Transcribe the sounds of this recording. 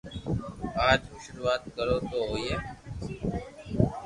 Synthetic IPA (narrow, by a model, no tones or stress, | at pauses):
aːd͡ʒʃʊɾuːaːt̪̚kəɾoːt̪oːɦoːjeː